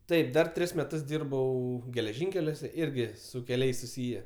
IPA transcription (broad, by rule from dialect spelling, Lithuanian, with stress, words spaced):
ˈtɐɪp ˈdɐr ˈtʲrʲɪs mʲɛˈtʊs ˈdʲiːrbɐʊ ɡʲɛlʲɛˈʒʲɪŋʲkʲɛlʲuɔsʲɛ ˈɪrʲɡʲɪ sʊ kʲɛˈlʲɛɪs sʊˈsʲiːjɛ